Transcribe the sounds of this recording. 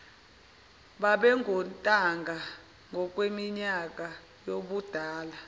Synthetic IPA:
ɓaɓɛŋʱɔntʼaŋɡʱa | ŋɡʱɔk̬ʼwemiɲak̬ʼa | joɓud̥ʱaːla

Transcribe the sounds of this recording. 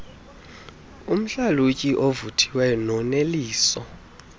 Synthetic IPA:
um̩ɬalucʼiʔovutʰi̥wɛnɔneliːsɔ

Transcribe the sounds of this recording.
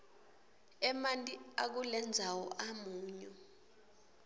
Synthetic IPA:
ɛmantʼiak̬ulɛnd͡zʱawɔʔamuːɲɔ

